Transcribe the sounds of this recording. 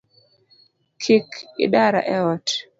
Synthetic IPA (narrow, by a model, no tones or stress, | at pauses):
kʰikḭɗaɾa̰ʔɛɔt